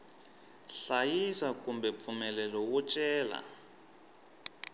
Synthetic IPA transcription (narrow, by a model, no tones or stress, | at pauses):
ɬajisakumbɛp̪fumɛlɛlɔwut͡ʃʼɛːla̰